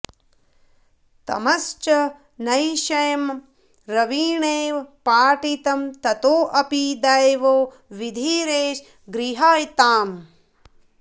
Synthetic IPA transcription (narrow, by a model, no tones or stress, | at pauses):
t̪ɐ̰mɐst͡ʃɐ | nɐjʃɐjɐm | ɾɐʋiːɳeːʋpaːʈit̪ɐmt̪ɐt̪oːʔɐpid̪ajʋoː | ʋid̪ʱiːɾeːʃ | ɡɾiɦaːjt̪aːm